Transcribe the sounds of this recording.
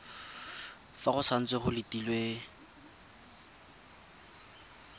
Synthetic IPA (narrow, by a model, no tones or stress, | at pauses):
faχʊsan̩t͡sʼweχʊlɪtʼilwe